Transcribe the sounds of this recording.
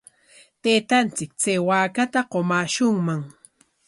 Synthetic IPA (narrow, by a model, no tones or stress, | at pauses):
t̪eːt̪ant͡sɪk̚t͡seːwaːkat̪aqomaːʃʊŋmaŋ